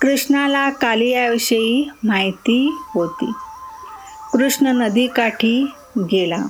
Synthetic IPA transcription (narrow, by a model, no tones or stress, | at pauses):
kɾuʂɳalakaliːaʋɕəiːmaɦjt̪iːɦot̪ḭː | kɾuʂɳənəd̪iːkaʈʰiː | ɡela̰